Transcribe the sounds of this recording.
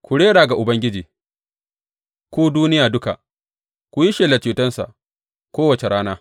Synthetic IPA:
kʷʊ˨ɽeː˦ɽaː˨ɡa˨ʔʊ˨bɐ˦ŋɡʲɪ˦d͡ʒiː˨ | kʷuː˦duː˦nɪ˦jaː˨dʊ˦ka̰˨ʔ | kʷʊ˨ji˦ʃeː˨la˨t͡ʃuː˨tɐ˦nsa̰˨ʔ | kʷoː˦wɐ˨t͡ʃe˨ɽaː˦naː˦

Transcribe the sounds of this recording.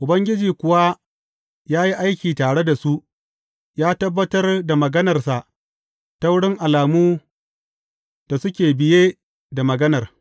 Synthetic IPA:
ʔʊ˨bɐ˦ŋɡʲɪ˦d͡ʒiː˨kʷʊ˨wa˦ | jaː˦ji˦ʔa˦jkʲiː˨taː˨ɽe˦da˨su˦ʔ | jaː˦tɐ˦bːɐ˦tɐ˦rda˨mɐ˨ɡɐ˦nɐ˨rsa˨ʔ | ta˦wʊ˦ɽɪ˦ŋʔa˨laː˨muː˦ | d̥a˨sʊ˦kʲeː˨bɪ˨jeː˦ | da˨mɐ˨ɡɐ˦nɐ˨r

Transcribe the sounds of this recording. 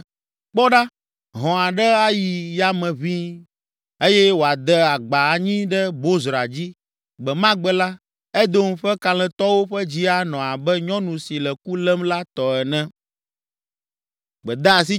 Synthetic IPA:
k͡pɔ˦ɖa˦ | ɦɔ̃˨a˨ɖɛ˦a˦ji˨ja˨mɛ̃˨βĩ˦ | e˦jɛ˦wo˨a˨d̪ɛ˦a˨ɡ͡ba˨a˨ɲĩ˦ɖɛ˦bo˦zɾa˨d͡ʑi˦ | ɡ͡bɛ˨mã˦ɡ͡bɛ˦la˦ | ɛ˦d̪o˦m̩˦ɸɛ˦ka˨lɛ̃˨t̪ɔ˦wo˦ɸɛ˦d͡ʑi˦a˨nɔ̃˨a˨bɛ˦ɲɔ̃˦nũ˨si˨lɛ˨ku˦lɛ˦mla˦t̪ɔ˨ɛ˨nɛ̃˦ | ɡ͡bɛ˨d̪a˦a˨s̬i˦

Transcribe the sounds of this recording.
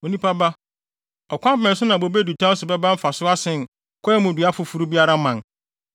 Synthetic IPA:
o˨nĩ˦pa˦ba˦ | ɔ˨kʷã˦mbɛ̃˨n˨sʊ˦nã˨bo˨be˦du˨tʰã˦sʊ˨bɛ˦bã˦m̩˦fa˨sʊ˦a˦sɪ̃˨n˨ | kʰɔ˦ɛ˦mʊ̃˨dɥa˦fʊ˨fu˦ɾu˦bi˦a˦ɾa˦mã˨n

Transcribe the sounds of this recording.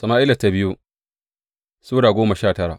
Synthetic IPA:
sɐ˨maː˦ʔɪ˦lɐ˨tːa˨bɪ˦ju˦ | suː˦ɽaː˨ɡʷoː˦mɐ˨ʃaː˦˨tɐ˦ɾa̰˨ʔ

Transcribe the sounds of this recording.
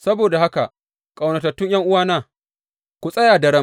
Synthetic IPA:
sɐ˦boː˨da˨ha˦ka˨ | kʼa˨wnɐ˨tɐ˨tːʊ˦ɲjɐ˦ŋʔʊ˦waː˦naː˦˨ | kʷu˨sʼɐ˦jaː˨dɐ˨ɽɐ˦m

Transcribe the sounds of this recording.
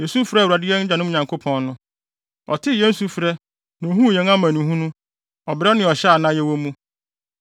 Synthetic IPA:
je˨su˦fɪ˦ɾa˨dɪ˦ɛ˦n̩˦d͡ʑa˨nʊ̃˦˨ɲã˨ŋkʰo˦pʰɔ̃˦˨nnʊ̃˦ | ɔ̰˨tʰɪ˦jɛ˦n̩˦su˨fɾɛ˦ | nã˨o˨ɦũ˦˨jɛ̃˨nã˦mã˨nĩ˨ɦũ˦nũ˦ | ɔ˨bɪ˨ɾɛ˦nɪ̃˨ɔ˨ɕɛ˦a˨nã˦jɛ˦wo˦mũ˦

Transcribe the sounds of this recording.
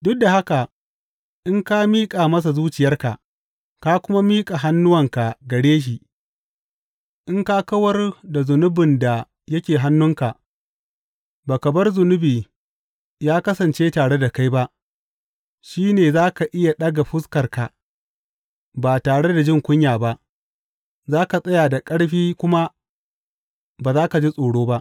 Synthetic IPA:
dʊ˦k̚da˨ha˦ka˨ | ʔɪ˦ŋka˦miː˦kʼaː˨mɐ˦s̬a˨zuː˦t͡ʃɪ˨jɐ˦rka̰˨ʔ | ka˦kʷʊ˦ma˦miː˦kʼa˨ɦa˦nːʊ˦wɐ˨ŋka˨ɡɐ˨ɽeː˦ʃ̬i˨ʔ | ʔɪ˦ŋka˦kɐ˦wɐ˦rda˨zʊ˨nʊ˦bɪ˨nda˨ | jɐ˦kʲeː˨ɦa˦nːʊ˦ŋka˨ʔ | baː˨kɐ˨bɐ˦rzʊ˨nʊ˦biː˨ | jaː˦kɐ˦sɐ˨nt͡ʃeː˦taː˨ɽe˦da˨ka˦jba˦ʔ | ʃiː˦neː˨zaː˦ka˨ʔɪ˦ja˨ɗɐ˦ɡa˨ɸʊ˦skɐ˨rka˨ | baː˨taː˨ɽe˦da˨d͡ʒɪ˦ŋkʷʊ˦ɲjaː˨ba˦ʔ | zaː˦ka˨sʼɐ˦jaː˨da˨kʼɐ˦ɽɸiː˦kʷʊ˦ma˦ | baː˨zaː˦ka˨d͡ʒi˦sʼoː˨ɽoː˦ba˦ʔ

